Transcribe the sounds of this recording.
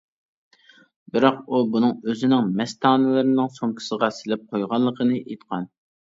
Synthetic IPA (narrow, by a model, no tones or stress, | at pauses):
bɪɾɑqubunɨŋøzɪnɪŋmɛst̪ʰɑːnɨlˠɨɾɪnɪŋsoŋkʲʰi̥səʁɑsɪlɪp̚qʰojʁɑlˠːəqʰənɨʔet̪qʰɑn